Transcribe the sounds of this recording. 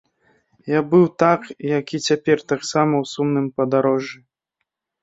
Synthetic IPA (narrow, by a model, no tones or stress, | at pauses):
jabɨwt̪akjakʲit͡sʲapʲɛrt̪aksamɐwsumnɨmpɐd̪aɾɔʐɨ